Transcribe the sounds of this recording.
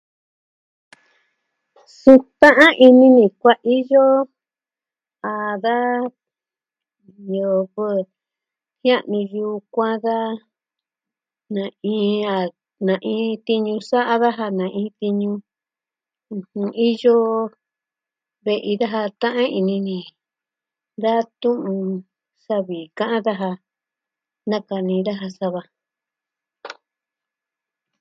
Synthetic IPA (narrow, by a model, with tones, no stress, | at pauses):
sũ˧t̪ã˦ʔã˦ʔi˧nĩ˧nĩ˨kʷa˦ʔi˦jo˦ | a˨ða˦ | ɲo˨βɨ˦˨ | hj̃ã˦ʔnĩ˧ju˧kʷã˦ða˦ | nã˨ĩ˧˦a˨ | nã˨ʔĩː˦t̪i˧ɲũ˧sa˦ʔa˦ða˦ɦa˧nã˨ʔĩː˧˦t̪i˧ɲũ˧ | hũ˧i˦jo˦ | βe˧ʔi˧ða˦ɦa˧t̪ã˦ʔã˦i˧nĩ˧nĩ˨ | d̪a˦t̪ũ˦ʔũ˧ | sa˦βi˨kã˦ʔã˦ða˦ɦa˧ | nã˦ka˧nĩ˧ða˦ɦa˧sa˧βa˧